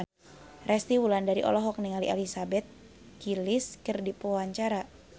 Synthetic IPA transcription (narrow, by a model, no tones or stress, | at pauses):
rɛst̪iwulandaɾiʔɔ̰lɔɦɔk̚niŋaliʔalisabɛt̪̚ | kilɪskərdipoaɲt͡ʃaɾa